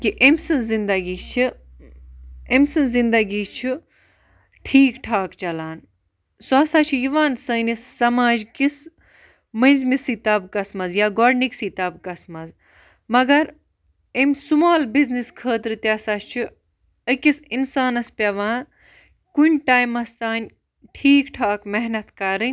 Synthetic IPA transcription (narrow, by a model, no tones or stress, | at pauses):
kiʔemʲsɨnzind̪ɐɡiːt͡ʃʰi | emʲsɨnzind̪ɐɡiːt͡ʃʰu | ʈʰiːkʈʰaːkt͡ʃɐlaːn | soɐsaːt͡ʃʰijiʋaːnsɐnisːɐmaːd͡ʒkis | mɐ̃nʲzmisit̪ɐbkɐsmɐzjaːɡoɾniksiːt̪ɐbkɐsmɐz | mɐɡɐɾ | emʲsumaːlbizniskʰəːt̪ɾɨt̪ɐsat͡ʃʰu | əkisinsaːnɐspʲɐʋãː | kunʲʈaːjmɐst̪aːnʲ | ʈʰiːkʈʰaːkmɛɦnɐt̪kɐɾɨnʲ